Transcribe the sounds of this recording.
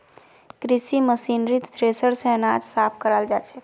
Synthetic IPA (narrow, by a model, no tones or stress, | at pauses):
kɾisiməsinɾit̪d̪ɾesəɾsẽnad͡ʒsapʰkəɾəld͡ʒat͡ʃʰɛ